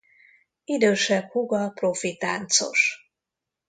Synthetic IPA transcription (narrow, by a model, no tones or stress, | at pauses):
id̪øːʃɛbhuɡɒprofit̪aːnt̪so̞̰ʃ